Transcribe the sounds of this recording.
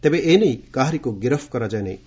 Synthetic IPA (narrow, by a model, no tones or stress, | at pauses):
t̪ebeʔeːnejkaːɦɾikoɡiɾəfkɔɾad͡ʒajnḛj